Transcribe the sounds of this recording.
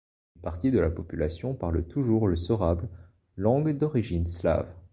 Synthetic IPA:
ynpaʁt̪id̪əlapɔpylasjɔ̃paʁlt̪ʰuʒuʁləsɔʁabl | lɑ̃ɡd̪ɔʁiʒinsla̰v

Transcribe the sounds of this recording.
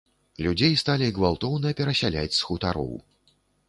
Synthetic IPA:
lʲud͡zʲejst̪alʲiɡvalˠt̪ɔwnɨjɐpʲɛɾɐsʲalʲat͡sʲsxut̪aɾɔ̰w

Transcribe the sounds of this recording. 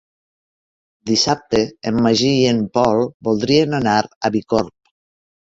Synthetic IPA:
d̪isap̚t̪eemːaʒiempɔlˠbolˠd̪ɾienanaɾaβikoɾp̚

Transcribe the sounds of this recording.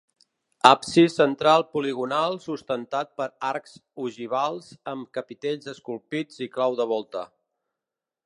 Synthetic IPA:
apsisənt̪ɾalˠpuliɣunalˠsust̪ənt̪at̪̚pəɾaɾksuʒiβ̞alˠzəmkəpit̪eʎzəskulˠpid͡ziklawðəβɔlˠt̪ə

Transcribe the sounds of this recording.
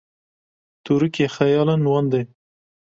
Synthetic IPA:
t̪uɾukexajɑlanwɑnd̪e

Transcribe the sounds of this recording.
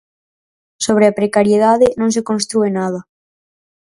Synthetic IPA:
soβ̞ɾeapɾekaɾjeðaðɪnõŋs̬ekõnst̪ɾuenað̞ɐ

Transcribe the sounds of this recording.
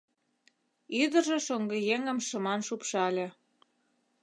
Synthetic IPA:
yd̪ə̆ʒĕʃoŋɡə̆jeŋə̆mʃəmɑnʃupʃɑlʲĕ

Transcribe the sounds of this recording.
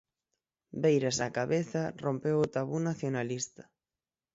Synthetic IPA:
bejɾasakaβeθɐrompewʊt̪aβunaθjonalist̪ɐ̥

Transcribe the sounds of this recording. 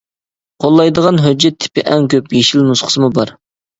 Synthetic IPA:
qʰolˠːɑjd̪əʁɑnɦød͡ʒːɛt̪ʰːɪ̥pɪʔɛŋkʲøpjeʃilmusχʰə̥sɨmubɑɾ

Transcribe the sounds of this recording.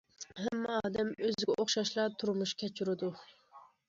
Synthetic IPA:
hɛmːɑd̪ɛmøzɪɡʲɛʔoχʃɑʃlˠɑt̪ʰuɾmuʃkʲʰɛt͡ʃʰuɾɪd̪u

